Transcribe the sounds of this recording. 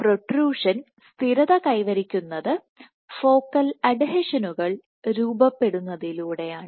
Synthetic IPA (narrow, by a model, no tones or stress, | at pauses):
proʈruːʂɐn | st̪iɾɐðɐkɐjʋɐɾikʲːunːɐðɨ | fo̞ːkːɐlɐɖɦɐʂɐnuɣɐɭ | ɾuːbɐpːe̞ɽunːɐðiluːɽe̞jaːɳɨ